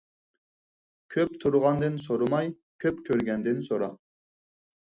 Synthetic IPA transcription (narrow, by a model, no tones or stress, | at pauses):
kʲʰøp̚t̪ʰuɾʁɑnd̪ɨnsoɾumɑj | kʲʰøpkʲʰøɾɡʲɛnd̪ɪnsoɾɑ